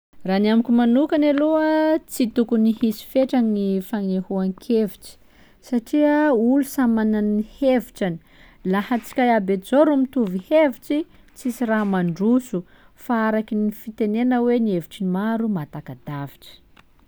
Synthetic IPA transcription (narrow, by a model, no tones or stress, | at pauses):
ranamikʲumanukanaluət͡sit̪ukuniɦisi̥feʈ͡ʂaŋinifaŋehuaŋkʰeviʈ͡ʂi̥ | saʈ͡ʂiəulusamananiheviʈ͡ʂani̥ | lahat͡si̥kʲajabed͡zoɾumit̪uviheviʈ͡ʂi | t͡sisiɾaɦmaɳɖ͡ʐusu | faaɾakinifit̪enenəwenieviʈ͡ʂimaɾumat̪akad̪avi̥ʈ͡ʂə̥